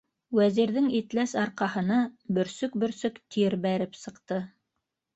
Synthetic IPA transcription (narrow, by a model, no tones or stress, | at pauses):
wæziɾðɘŋit̪læsɑɾqɑhɤ̆nɑbɵ̆ɾsɵk̚bɵ̆ɾsɵkt̪iɾbæɾɘpsɤ̆qt̪ɤ